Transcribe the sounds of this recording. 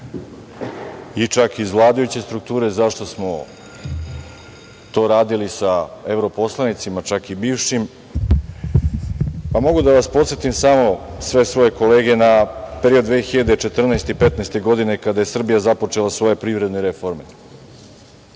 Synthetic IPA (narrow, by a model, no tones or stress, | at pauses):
it͡ʂakizvlˠaːd̪ajut͡ɕe̞st̪ɾuk̚t̪uːɾe̞zaʃt̪o̞smo̞ | t̪o̞ːɾaːd̪ilisaevɾo̞po̞slˠanit̪simat͡ʃakibiːʋʃim | pamo̞ɡud̪aʋaspo̞t̪set̪imsamo̞sʋe̞sʋo̞je̞ko̞le̞ːɡe̞napeɾiod̪ʋexiʎad̪et͡ʃe̞t̪r̩naest̪eipe̞t̪naest̪e̞ɡo̞d̪ine̞kad̪ajesr̩bijazapo̞t͡ʂe̞lˠasʋo̞je̞pɾiːʋɾed̪neɾefo̞ɾme